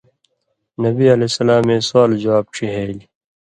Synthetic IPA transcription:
nɐbiɐleːsɐlaːmẽːswaːld͡ʑɐwaːb̚ʈ͡ʂʰiɦeːl

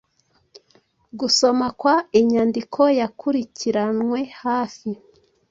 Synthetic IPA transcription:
ɡuso̞makwaiɲaːndikʰo̞jakʰuɾiciɾanŋwe̞haːfi

